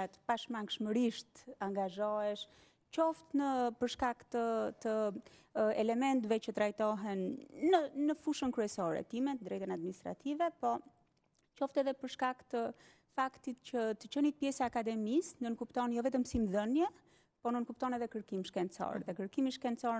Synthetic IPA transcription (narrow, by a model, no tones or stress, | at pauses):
at̪paʃmaŋkʃməɾiʃt̪aŋɡaʒɔɛʃ | t͡ʃɔft̪nəpəɾʃkakt̪ət̪ə | ɛlɛmɛnt̪vɛt͡ʃət̪ɾajt̪ɔɦɛnːənəfuʃənkɾyɛsɔɾɛ̰t̪imɛt̪nd̪ɾɛjt̪ənad̪̚minist̪ɾa̰t̪ivɛpɔ | t͡ʃɔft̪ɛðɛpəɾʃkakt̪ə | fakt̪it̪cət̪ət͡ʃənipjɛsaːkad̪ɛmisnənkupt̪ɔnjɔvɛt̪əmsimðənjɛ | pɔnənkupt̪ɔnɛðɛkəɾkimʃkɛnsɔ̰ɾðɛkəɾkimiʃkɛnsɔɾ